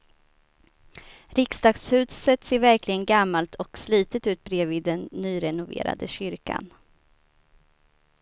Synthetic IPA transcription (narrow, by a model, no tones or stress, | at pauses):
ɾɪksd̪ɑːɡshʉ̟ːd̪sət̪seːɾvæɾklɪɡənɡamːalt̪ʰɔksliːt̪ət̪ʉ̟ːt̪̚bɾeːvɪːd̪ːɛnːyːɾɛnʊvḛːɾa̰d̪əɕʏɾka̰n